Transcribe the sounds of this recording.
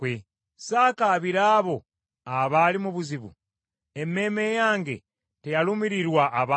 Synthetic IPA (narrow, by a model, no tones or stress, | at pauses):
we | saːkaβiɾaːβo̞ | aβalimuβuziβṵ | emːe̞ːme̞jaːŋɡe̞̰ | tejalumiɾiɾwaʔːβa